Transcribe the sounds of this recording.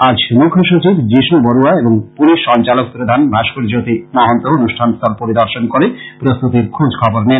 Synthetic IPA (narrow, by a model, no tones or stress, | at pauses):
ad͡ʑmukʰːjoʃot͡ɕibd͡ʑiʃnoboɾuaeboŋpuniʃɔnt͡ɕalok̚pɾod̪ʱanbʱaʃkoɾid͡ʑot̪imaɦont̪oonuʃʈʰanst̪ʰɔlpoɾid̪ɔɾʃonkoɾepɾost̪ut̪iɾkʰud͡ʑkʰɔboɾnen